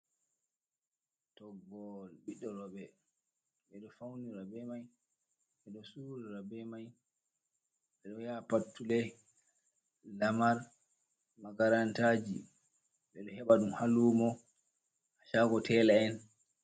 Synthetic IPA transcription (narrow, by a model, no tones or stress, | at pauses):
tɔɡɔlɓiɗːɔɾɔɓɛ | ɓɛɗɔfawniɾabɛmaj | ɓɛɗɔsuɾiɾabɛmaj | ɓɛɗɔjapatːulɛ | lamaɾ | maɡaɾantad͡ʒḭ | ɓɛɗɔhɛɓaɗumhalumɔ | aʃaɡɔtʰɛlaɛn